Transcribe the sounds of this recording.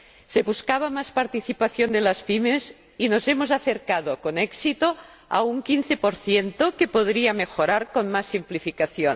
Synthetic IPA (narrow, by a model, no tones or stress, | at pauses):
seβuskaβ̞amaspaɾt̪iθipaθjond̪elaspimes | inozemozaθeɾkað̞okoneksit̪o | a̰uŋkinθepoɾθjent̪okepoðɾiamexoɾaɾkonmasːimplifikaθjon